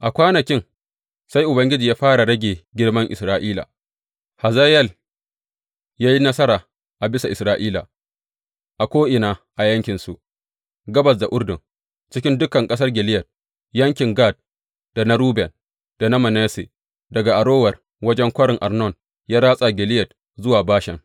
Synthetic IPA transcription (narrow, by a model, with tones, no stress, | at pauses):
ʔa˨kʷaː˦nɐ˨kʲɪ˦ŋ | sa˦jʔʊ˨bɐ˦ŋɡʲɪ˦d͡ʒiː˨jaː˦ɸaː˦ɽa˨ɽɐ˦ɡʲeː˨ɡʲɪ˦ɽmɐ˦ŋʔɪ˨sɾaː˦ʔiː˦la̰ː˨ | ha˨za˦jɛ˦l | jaː˦ji˦nɐ˦sɐ˦ɾaː˨ | ʔa˨bɪ˦sa˨ʔɪ˨sɾaː˦ʔiː˦la̰˨ | ʔa˨kʷoː˦ʔɪ˨naː˨ʔa˨jɐ˦ŋkʲɪ˨nsu˨ʔ | ɡɐ˦bɐ˨s̬da˨ʔʊ˦rdɪ˨ŋ | t͡ʃɪ˦kʲɪ˦ndʊ˦kɐ˨ŋkʼɐ˦s̬ɐ˦rɡʲɪ˨lɪ˦jɐ˨t̚ | jɐ˦ŋkʲɪ˨ŋɡa˦˨d̚ | d̥a˨na˦ɾuː˦bɛ˨n | d̥a˨na˦mɐ˨nɛː˦sḛ˨ | dɐ˨ɡa˨ʔa˨ɽoː˦wɐ˨r | wɐ˦d͡ʒɛ˦ŋkʷɐ˦ɽɪ˨ŋʔa˨rnɔ˦˨n | jaː˦ɾaː˦sʼa˨ɡʲɪ˨lɪ˦jɐ˨t̚ | zʊ˦waː˨baː˦ʃɛ̰˨ŋ